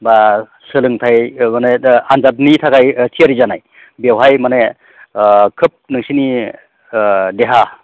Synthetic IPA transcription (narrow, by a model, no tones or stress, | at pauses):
ba | sɯlɯŋtʰajmaneanzat̬̚nitʰakajtʰijaɾizanaj | bewɦajmane | kʰɯp̚nɯŋsini | deɦa